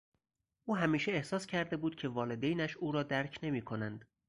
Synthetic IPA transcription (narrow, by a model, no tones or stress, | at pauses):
ʔuːɦæmiːʃeehsɒːscʰæɾd̪e̞buːd̪̥̚cʲʰe̞vɒːle̞d̪ejnæʃuːɾɒːd̪æɾcʰne̞miːkʰo̞nænd̪̥